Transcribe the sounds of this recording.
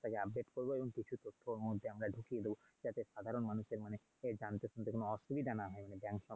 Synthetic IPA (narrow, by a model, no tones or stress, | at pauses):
t̪akeab̚ɖeʈkoɾboeboŋkit͡ɕʰut̪ot̪ʰːomod̪ʱːeamɾaɖʱukied̪ebo | d͡ʑat̪eʃad̪ʱaɾonmanuʃeɾmane | ed͡ʑant̪eʃont̪ekonoɔʃubid̪ʱanaɦɔemanebɛŋkʃɔ